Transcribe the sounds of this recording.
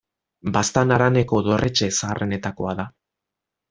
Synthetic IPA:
bast̪anaɾane̞ko̞ðo̞rʔet͡ʃe̞saːrʔene̞t̪ako̞aða

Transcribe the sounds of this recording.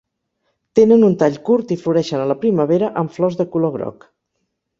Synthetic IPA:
t̪enənunt̪aʎkuɾt̪ifluɾɛʃənələpɾiməβeɾəʔəɱflɔzðəkuloɣɾɔ̰k

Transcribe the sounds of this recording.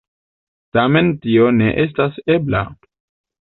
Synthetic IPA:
tame̞ntio̞ne̞ʔe̞s̬tase̞bla̰

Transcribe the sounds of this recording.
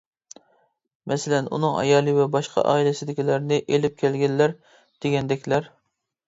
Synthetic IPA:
mʔɛsɪlɛnṵnɨŋɑ̰jɑːlˠɨvɛbɑʃqɑ̰ʔɑ̰ːilɪsɪd̪ɪkʲilæɾnɪʔelɪp̚kʲʰɛlɡʲɛnːæɾ | d̪̥eɡʲɛnd̪ɛkʲlæɾ

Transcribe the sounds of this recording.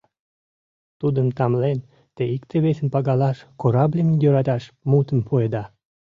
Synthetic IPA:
t̪ud̪əmt̪ɑmlen | t̪eikt̪eβesənpɑɣɑlɑʃkoɾɑblʲemjøɾɑt̪ɑʃmut̪əmpʰued̪ɑ

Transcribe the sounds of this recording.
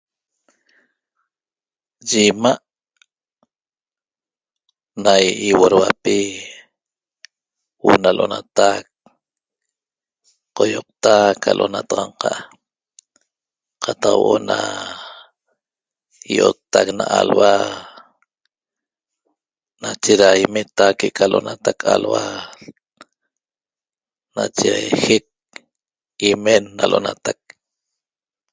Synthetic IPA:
d͡ʒimaʔ | najiwoɾwapi | wʔonalʔonat̪ak̚ | qojoq̚t̪akʰalʔonat̪ɑʁɑɴqɑʔ | qʰɑt̪ɑqwʔona | jot̪ːaknaʔalwa | nat͡ʃeɾaimet̪akekʰalʔonat̪akʰalwa | nat͡ʃexek̚ | imenːalʔonat̪ak̚

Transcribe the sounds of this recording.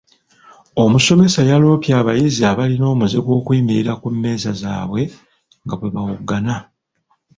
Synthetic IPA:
o̞muso̞me̞sajalo̞ːpjaːβajiziaβalino̞ːmuzeɡwo̞ːkwiːmiɾiɾakumːe̞ːzaza̰ːβwe̞ | ŋɡaβwe̞βawuɡːana

